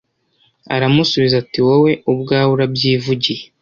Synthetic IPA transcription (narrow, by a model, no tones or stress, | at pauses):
a̰ɾamusuβizatiwowe̞ubɡaːwuɾabjiːvuɟije